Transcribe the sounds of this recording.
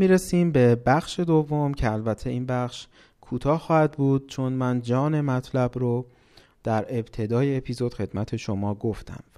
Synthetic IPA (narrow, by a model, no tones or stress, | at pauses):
miːɾesiːmbe̞bæxʃe̞d̪ovːo̞mcʰeælbæt̪ʰːe̞iːnbæχʃ | kʰuːt̪ʰɒːxɒːhæd̪buːd̪̥̚t͡ʃʰo̞nmænd͡ʒɒːne̞mæt̪ʰlæbɾo | d̪̥æɾe̞b̥t̪ʰe̞d̪ɒːjeːpʰiːzo̞d̪̥xe̞d̪̥mæt̪ʰe̞ʃo̞mɒːɡoft̪ʰæ̰m